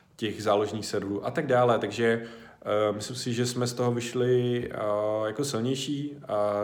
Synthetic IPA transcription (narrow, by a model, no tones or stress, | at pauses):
cɛxzaːloʒniːxsɛdluːʔat̪aɡ̚daːlɛt̪aɡʒɛ | mɪslɪmsɪʒɛsmɛst̪o̞ɦovɪʃlɪ | jakosɪlɲɛjʃiː